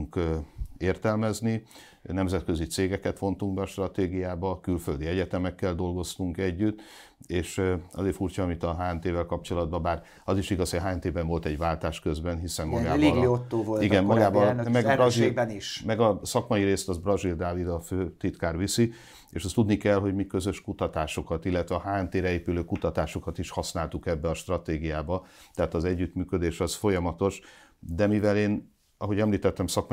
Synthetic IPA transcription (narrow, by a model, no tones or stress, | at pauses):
uŋkeːrt̪ɛlmɛzni | nɛmzɛt̪kø̞zit̪seːɡɛkɛt̪ʋo̞nt̪uŋɡbɛɒʃt̪rɒt̪eːɡijaːbɒkylføld̪iɛɟɛt̪ɛmɛkːɛld̪o̞lɡo̞st̪uŋkɛɟːyt̪ː | eːʃɒ̰zeːfuːrt͡ʃɒːmit̪ɒɦaːɛnt̪eːvɛlkɒp̚t͡ʃo̞lɒd̪̚bɒbaːr | ɒziʃiɡɒshojɒɦaːɛnt̪eːbɛɱvo̞lt̪ɛɟʋaːlt̪aːʃkøzbɛnɦisɛmːɒɡaːliɡiot̪ːoːvoliɡɛmɒɡaːbɒlnmɛɡɒzibɛniʃmɛɡɒsɒkmɒjiɾeːst̪ɒzbrɒzild̪aːvid̪ɒføːt̪it̪kaːrʋisi | ḛːʃɛst̪ud̪nikɛlɦo̞ɟmikø̞zø̞ʃkut̪ɒt̪aːʃo̞kɒt̪ilːɛt̪ʋɛɒɦaːɛnt̪eːɾɛeːpyløːkut̪ɒt̪aːʃo̞kɒt̪iʃhɒsnaːlt̪ukɛbːɛɒʃt̪rɒt̪eːɡijaːbɒt̪ɛɦaːt̪ɒzɛɟːyt̪myːkød̪eːʃɒsfo̞jɒmɒt̪o̞ʃ | d̪ɛmivɛleːn | ɒɦo̞ɟɛmliːt̪ɛt̪ːɛmsɒkmɒ